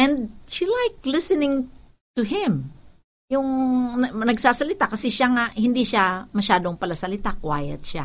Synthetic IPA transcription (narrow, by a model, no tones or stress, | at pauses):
ʔɛnd̪̚ʃilajk̚lɪsɪnɪŋ | t̪ʊɦɪ̃m | jʊŋnɐnɐɡsaːsɐlɪt̪akɐsɛʃaŋaʔhɪnd̪iʃamɐʃaːd̪oŋpɐlɐsɐlɪt̪akwa̰ːjɐ̰t̪̚ʃa̰